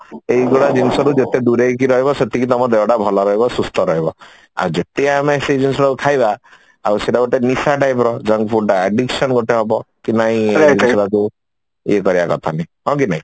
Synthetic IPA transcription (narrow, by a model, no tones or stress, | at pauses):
eiɡoɽad͡ʒinsɔɾud͡ʒet̪ed̪uɾek̬iɾɔɦibɔset̪ikit̪ɔmɔd̪eɽabʱɔlɔɾɔɦibɔsust̪ʰɔɾɔɦibɔ | a̰wd͡ʒet̪eamesed͡ʒinsɔɾakukʰajba | a̰wseɖaɡoʈenisaʈajp̬ɾɔd͡ʒɔŋɡpʰulʈaeɖiksɔnɡoʈeɦɔbɔkinaɦĩed͡ʒisɾaku | ekɔɾibakɔ̰t̪ʰanaɦɔ̃kinaɦĩ